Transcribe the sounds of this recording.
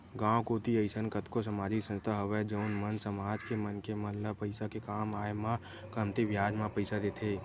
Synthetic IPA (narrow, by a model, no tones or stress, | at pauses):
ɡãːwkoːt̪iəɪsənkət̪kos̬əmaːd͡ʒɪksə̃nst̪ʰaɦɐʋed͡ʒəʊnmənsəmaːd͡ʒkemənkeməlləpəɪsakekaːmaːemã | kəmt̪eʋjaːd͡ʒmãpəɪsad̪eːt̪ʰeː